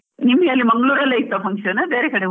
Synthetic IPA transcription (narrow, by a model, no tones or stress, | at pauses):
nimːɐɦeːlːimɐŋɡɭuːɾɐlːeːit̪ːɐpɐŋkʂɐnɐbeːɾekɐɽe